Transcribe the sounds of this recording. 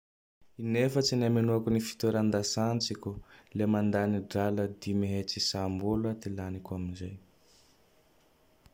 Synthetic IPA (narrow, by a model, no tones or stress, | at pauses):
inefət͡sinamenuakunifi̥t̪eɾand̪asant͡sikʲulemand̪aniɖ͡ʐaləd̪imeɦet͡sisambulət̪ilanikuaminzaj